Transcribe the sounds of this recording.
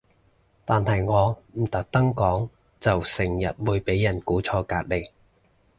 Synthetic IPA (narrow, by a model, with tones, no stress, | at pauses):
t̪aː˨nhɐ˨jŋɔː˨˧m̩˨˩t̪ɐ˨˥k̚t̪ɐ˥ŋkɔː˨˥ŋ | t͡sɐ˨wsɪ˨˩ŋjɐ̰˨t̚wuː˨˧jpe˨˥jːɐ˨˩nkuː˨˥t͡sʰɔː˧kaː˧t̚le˨˧j